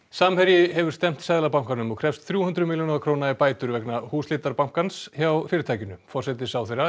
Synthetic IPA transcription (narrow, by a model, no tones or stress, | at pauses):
samhɛɾjɪɦɛvʏɾ̥st̪ɛm̥t̪sɛðlapawm̥kanʏmɔɣkʰɾ̥ɛfst̪θɾjuːhʏnt̪ɾʏmiːljonaðakʰɾoːwnaɛpaːjt̪ʏɾvɛknahuːslɪːt̪aɾpawm̥kansçjawfɪːɾɪt̪ʰajcɪnːʏfɔrsɛt̪̬ɪsawθejra